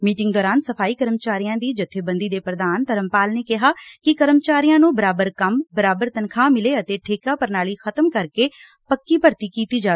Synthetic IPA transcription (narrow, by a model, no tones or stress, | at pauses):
miːʈɪ̃ŋɡ̚d̪ɔːɾaːnsəpʰaːiːkəɾəmt͡ʃaːɾijãːd̪iːd͡ʒɪt̪ʰːeːbənd̪iːd̪eːpɾəd̪aːnt̪əɾəmpaːlneːkɪɦaːkɪkəɾəmt͡ʃaːɾijãːnũːbəɾaːbəɾkəmbəɾaːbəɾt̪ənkʰãːmɪleːət̪eːʈʰeːkaːpəɾnaːliːxʰət̪əmkəɾkeː | pəkːiːpəɾt̪iːkiːt̪iːd͡ʒaː